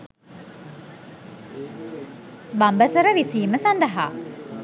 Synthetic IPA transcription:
bambəsəɾəʋisiːməsand̪əɦa̰ː

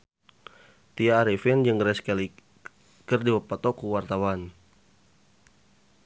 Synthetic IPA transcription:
t̪iaːɾifind͡ʒəŋɾɛskɛli | kərdiwapat̪ɔkuwart̪awan

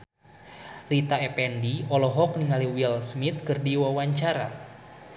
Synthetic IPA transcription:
rit̪aɛpɛndiɔlɔɦɔk̚niŋaliwilsmit̪̚kɨrdiwawaɲt͡ʃaɾa

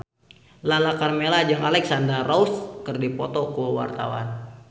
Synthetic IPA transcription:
lalakarmelad͡ʒəŋalɛksandərauskərdipɔt̪ɔkəwa̰rt̪a̰wa̰n

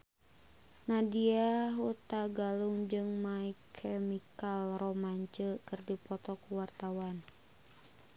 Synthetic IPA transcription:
nadiaɦut̪aɡaluŋd͡ʒɨŋmaikʰɛmikalrɔmaɲt͡ʃəkɨrdipɔt̪ɔkuwart̪awan

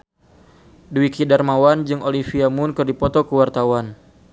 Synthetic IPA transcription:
dwikidarmawand͡ʒɨŋolifiamʊnkɨrdipɔt̪ɔkəwart̪awan

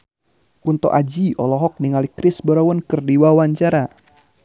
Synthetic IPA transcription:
kunt̪ɔ̰ʔad͡ʒiɔlɔɦɔk̚niŋalikɾɪsbɔɾawɔnkɨrdiwawaɲt͡ʃaɾa

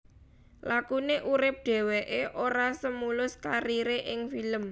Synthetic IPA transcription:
lakuneʔuɾɪp̚ɖ̪̥e̤weʔeʔoɾasəmulʊskaɾiɾeʔɪŋfiləm

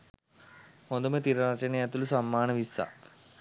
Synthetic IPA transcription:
hond̪umet̪iɾɐɾɐt͡ʃɐnejɐt̪ulusɐmːaːnɐʋisːa̰

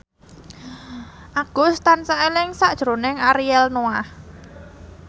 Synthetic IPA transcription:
ʔaɡ̥ʊ̤st̪ansaelɪŋsaʔd̥ʒ̥ɾo̤nɪŋaɾiɛlnoah

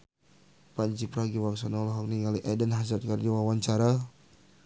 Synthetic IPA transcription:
paɲt͡ʃipɾaɡiwaksanalɔɦɔk̚niŋaliʔɛdənɦasat̪̚kard͡ʒawawaɲt͡ʃaɾa

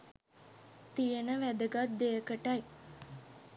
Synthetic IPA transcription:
t̪ijənəʋæd̪əɡat̪̚d̪eəkəʈaj

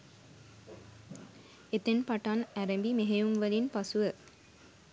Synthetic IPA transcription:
et̪enpaʈanæɾembimeɦejumʋəlinpasuʋə

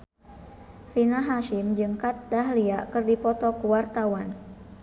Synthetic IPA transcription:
rinaɦaʃimd͡ʒɨŋkat̪̚daɦliakɨrdipɔt̪ɔkuwart̪awan

